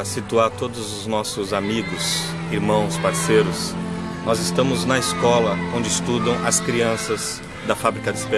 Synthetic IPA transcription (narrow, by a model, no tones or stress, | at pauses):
sit̪uaɾt̪od̪ʊzʊznɔsʊzamiɡʊs | iɾmɐ̃w̃spaɾsejɾʊsnɔzɪst̪ɐ̃mʊznɐɪskɔlɐõñd͡ʒɪɪst̪ud̪ɐ̃w̃ɐskɾiɐ̃sɐz | d̪ɐfabɾikɐd͡ʒ̪ɪspe